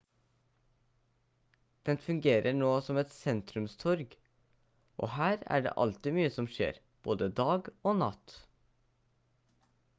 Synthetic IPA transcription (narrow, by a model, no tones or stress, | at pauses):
d̪̥ɛnfʉŋɡeːɾəɳoːsɔmɛt̪sɛnt̪ɾʉmst̪ʰɔɾɡ | ʔo̰ːhæːɾæ̰ːɖḛːʔɑ̰lt̪ɪmyːəsɔmʃḛːɾ | b̥oːd̪əd̪ɑːɡoːnɑ̰t̪